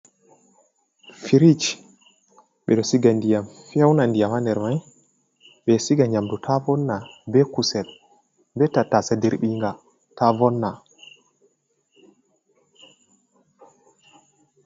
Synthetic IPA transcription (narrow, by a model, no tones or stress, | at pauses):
fiɾit͡ʃ | ɓɛɗɔsiɡandijamfɛwnandijamandɛɾmaj | ɓɛsiɡaɲamdutʰavɔnːabɛkusɛl | bɛtatːasadeɾɓiŋɡa | tavɔnːa